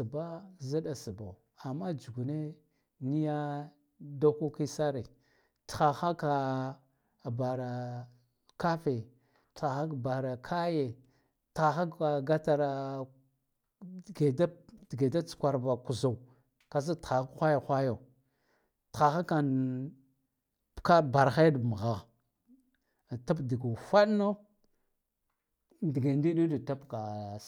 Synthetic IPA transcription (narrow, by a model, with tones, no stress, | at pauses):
i˨ba˦za˦da˨si˨ba˨ | a˨mːa˦d͡ʒu˨ɡu˨ne˦ | ni˦ja˦ | da˦ko˦ki˦sa˦ɾe˨ | txa˨xa˦ka˨ | ba˨ɾa˨ | ka˦fe˨ | txa˨xa˦kba˨ɾa˨kʰa˦je˨ | ta˨xa˦ka˨ɡa˦ta˨ɾa˨ | ɡe˨da˦dɡe˨da˦t͡su̥˨kʷa˨ɾba˨ku˨za˨u˨ | ka˨z̬a˦ta˨xa˦kxʷa˦ja˨xʷa˦jo˨ | ta˨xa˦ka˨n˨ | ka˦ba˨ɾxa˦dm˨ɣa˨ɣ | ta˦pdi˨ɡa˨fa˦dno˦ | di˨ɡe˨ndi˦ɗi˦di˨ta˦pka˨